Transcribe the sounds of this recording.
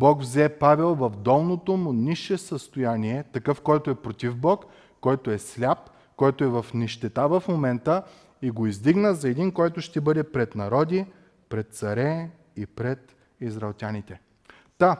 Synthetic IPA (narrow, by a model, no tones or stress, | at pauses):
bɔkvzɛpavɛlˠvɐvd̪ɔlˠnot̪omʊniʃɛsəst̪ojaniɛt̪ɐkɤfkɔjt̪oɛpɾot̪ʲivbɔkː | ɔjt̪oɛslʲap | kɔjt̪oɛvɐfnɛʃt̪ɛt̪avɐfmomɛnt̪ə | iɡoizd̪iɡnəzɐɛd̪inkɔjt̪oʃt̪ɛbɤd̪ɛpɾɛt̪nɐɾɔd̪ʲi | pɾɛt̪̚t̪sɐɾɛ | ipɾɛt̪ | izɾɐːlˠt̪ʲanit̪ɛ | t̪a